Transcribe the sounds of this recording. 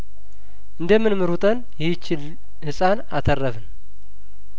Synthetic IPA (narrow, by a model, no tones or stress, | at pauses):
ʔɨnd̪əmɨnmɨɾut̪ʼən | jɛht͡ʃːɪl | hɨsʼanat̪ʰərːəfɨn